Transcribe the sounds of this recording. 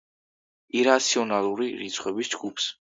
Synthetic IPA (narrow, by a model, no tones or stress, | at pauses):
iɾat̪sʰiɔnalˠuɾiɾit̪sʰχwɛbisd͡ʒɡups